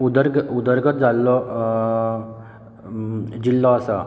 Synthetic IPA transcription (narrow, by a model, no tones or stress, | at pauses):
ud̪əɾɡud̪əɾɡʱət̪̚d͡zalːɔ | d͡ʑilːɔasa